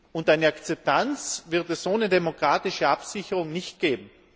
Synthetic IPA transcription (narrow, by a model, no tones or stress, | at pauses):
ʊntaɪnəakt͡sɛp̚tant͡sv̥ɪʁtɛsoːnədemokʁ̥aːtɪʃəapsɪçəʁʊŋnɪçt̚ɡ̥eːbm̩